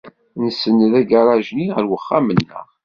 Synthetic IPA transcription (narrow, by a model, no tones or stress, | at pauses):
nəsənðæɡaɾˤɑʒniʁəɾwəχːamənːə̰ʁ